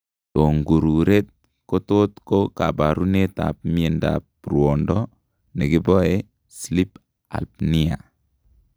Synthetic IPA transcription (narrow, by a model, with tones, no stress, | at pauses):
to˨ŋɡu˨ɾu˨ɾe˦t̪̚ | ko˦to˦t̪ko˦ka˨ba˨ɾu˦neta̰˨p̚mi˦e˨nda̰pɾwɔ˨ndɔ˦ | ne˨ki˦bɔ˦e | sli˦p | a̰˨lpni˦a̰˨